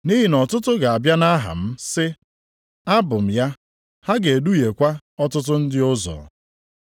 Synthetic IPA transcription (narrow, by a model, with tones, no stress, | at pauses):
ni˦ɦi˨nɔ˨tʊ˦tʊ˦ɡa˨a˨bja˦na˦ɦa̰˨m̩˦sɪ˦ | a˦bʊ˨m̩˨ja˦ | ha˦ɡe˨du˦je˨kʷa˦ | ɔ˦tʊ˦t̬ʊ˦n̩˦dɪ˦ʊ˦zɔ̰˨